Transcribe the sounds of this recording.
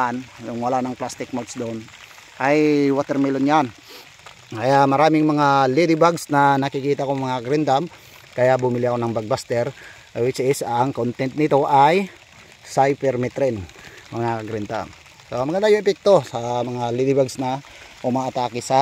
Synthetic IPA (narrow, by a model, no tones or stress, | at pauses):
anjʊŋwɐlanɐŋplast̪ɪk̚mot̪sd̪on | ʔajwat̪ɛɾmilonjan | kɐjamɐɾaːmɪŋmɐŋalid̪ɪbaɡsnɐnɐkɪkiːt̪aʔkoŋmɐŋakɐɡɾɪnd̪am | kɐjaʔbʊmɪlɪɐkonɐŋbaɡ̚bast̪ɛɾ | wɪt͡ʃʔɪsɐŋkont̪ɛnt̪̚nɪt̪o̞ʔaj | sajpɛɾmɛt̪ɾɛnmɐŋakɐɡɾɪnd̪a̰m | soʔɐmɐɡɐnd̪ajʊŋɛpɛk̚t̪o̞sɐmɐŋalid̪ɪbaɡsnɐ | ʔʊmaːt̪aːkɪsa